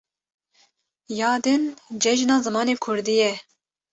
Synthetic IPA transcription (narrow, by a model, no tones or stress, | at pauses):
jɑːd̪ɨnd͡ʒɛʒnɑːzɨmɑːneːkʰʊɾd̪ijɛ